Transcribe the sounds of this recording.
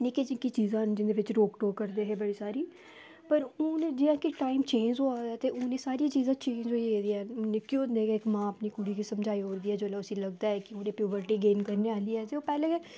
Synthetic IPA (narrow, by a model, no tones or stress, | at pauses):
niked͡ʒɪkit͡ʃiːzãːnd͡ʒɪnd̪eːʋɪt͡ʃɾoːkʈoːkəɾd̪eːɦeːbəɽiːsaːɾiː | pəɾʊːneːd͡ʒɪãːkɪʈaːimt͡ʃẽːnd͡ʒoːaːd̪aːt̪eːʔʊnẽːsaːɾijaːt͡ʃiːzãːt͡ʃẽːɲd͡ʒɦoied̪iːɛːʊnekoːd̪eːɡaɪkmãːəpniːkʊɽiːkiːsəmd͡ʒaːiːɦoːɾd̪iːɛːd͡ʒoːlɛʊsĩːləɡ̚d̪aːɛːkɪoːnẽːpɾjuːbəɾʈiːɡeːnkəɾneːaːliːɛːseːoːpɛːlẽːe